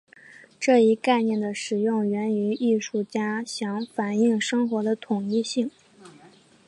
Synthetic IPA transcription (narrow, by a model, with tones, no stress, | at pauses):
ʈ͡ʂɤ˥˩i˥ka˥˧ɪnjɛ˥˩nd̪ə˩ʂɻ̩˨˩jʊ˥˩ŋɥɛ˧˥ny˧˥i˥˧ʂu˥˩t͡ɕja˥ɕjɑ˧˥ŋfa˨˩ni˥˩ŋʂɤ˥ŋxwɔ˧˥d̪ə˧t̪ʰʊ˨˩ŋi˥˧ɕi˥˩ŋ